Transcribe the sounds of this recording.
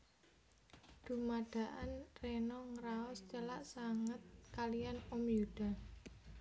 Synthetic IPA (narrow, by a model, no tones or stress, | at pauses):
d̪̥ṳmaɖ̥ä̤ʔanrenɔŋɾaɔst͡ʃəlaʔsaŋət̪̚kalijanɔmjuɖ̥a̤